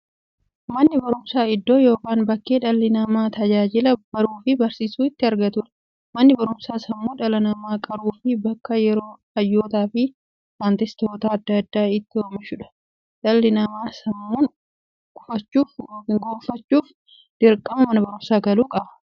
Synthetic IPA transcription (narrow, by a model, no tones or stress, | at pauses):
mɐnːɪbɐɾʊmsaːɪd̪ːo̞ːjo̞ːkaːnbɐkːeːᶑɐlːɪnɐmaːt̪ɐd͡ʒaːd͡ʒɪlɐb̥ɐɾuːfɪbɐɾsiːsuːɪt̪ːɪɐɾɡɐt̪ʊᶑɐ̥ | mɐnːɪbɐɾʊmsaːsɐmːuːᶑɐlɐnɐmaːkʼɐɾuːfɪbɐkːɐjɛɾo̞ːhɐjːo̞ːt̪aːfɪ | faːnt̪ɪst̪oːt̪aɐd̪ːɐɐd̪ːaːɪt̪ːɪomɪʃʊᶑɐ̥ | ᶑɐlːɪnɐmaːsɐmːuːn | kʊfɐt͡ʃːuːɡoːfːɐt͡ʃːuːf | d̪̥ɪɾkʼːɐmɐmɐnɐbɐɾʊmsaːɡɐluːkʼɐɐ̥